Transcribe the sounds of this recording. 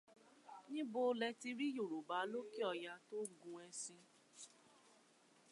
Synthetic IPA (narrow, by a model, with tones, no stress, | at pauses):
nĩ˦bo˧˦˧lɛ˧ti˧ɾi˦jo˦˨ɾo˨ba˨˦lo˦ki˦ɔ˧ja˧to˦ɡũ˧˦ɛ˧sĩ˧